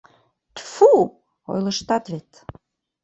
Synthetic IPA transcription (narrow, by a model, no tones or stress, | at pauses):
t̪fu | o̰jlə̆ʃt̪ɑt̪βet̪